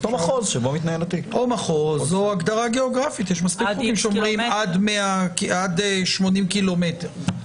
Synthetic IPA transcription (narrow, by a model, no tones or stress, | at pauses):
t̪omaχozʃebomit̪najelat̪iomaχo̞zoaɡd̪aʁaɡe̞oɡʁafit̪jeʃmastikuimʃeomʁimadmeakiadʃmo̞nimkilo̞me̞teʁ